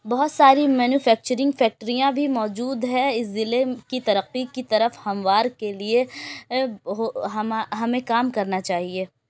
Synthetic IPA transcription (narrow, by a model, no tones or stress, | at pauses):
bɐɦʊt̪saːɾimɛːnjuːfɛːk̚t͡ʃəɾɪ̃ŋɡfɛːk̚ʈəɾijãbʱimɔːd͡ʒuːd̪ɦɛ̃ɪszɪlekit̪ɐɾəqːikit̪ɐɾəfhɐ̃mʋaːɾkelie | ɦoɦɐmaɦɐmẽkaːmkɐɾnat͡ʃaːɦieː